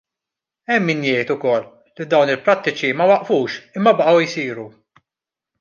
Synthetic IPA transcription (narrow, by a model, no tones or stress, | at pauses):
ɛmːinjɛjt̪ʊkɔlː | id̪ɐwnɪlpɾɐt̪ːɪt͡ʃimɐwɐʔfuːʃɪmːɐbɐʔɐwisiːɾu